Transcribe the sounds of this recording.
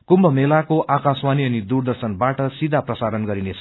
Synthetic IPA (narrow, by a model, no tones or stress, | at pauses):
kumbʌmelakoʔakaswaniʌnid̪urd̪ʌrsʌnbaʈʌsid̪ʱaprʌsaɾʌnɡʌɾinet͡sʰʌ